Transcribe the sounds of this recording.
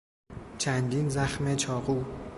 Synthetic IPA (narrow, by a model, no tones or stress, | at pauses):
t͡ʃʰænd̪iːnzæxmet͡ʃʰɒːɣuː